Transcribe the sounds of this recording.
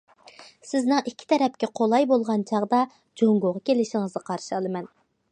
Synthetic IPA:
sɪznɨŋikʲʰːi̥t̪ʰɛɾɛp̚kʲɛqʰolˠɑjbolˠʁɑnt͡ʃʰɑʁd̪ɑ | d͡ʒoŋɡoʁɑkʲʰelɪʃɪŋɨzʁɑqʰɑɾʃɑlˠɨmɛn

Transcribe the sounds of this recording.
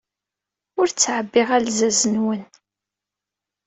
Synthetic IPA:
ʊɾt͡sːʕəbːɪʁælzæzənwən

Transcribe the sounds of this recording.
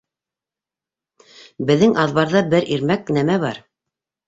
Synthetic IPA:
bɘ̆ðːɘŋʔɑðβɑɾðɤbɘɾiɾmæknæmæβɑ̰ɾ

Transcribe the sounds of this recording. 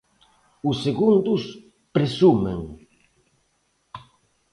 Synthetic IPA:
ʊsːeɣund̪ʊs | pɾesumḛŋ

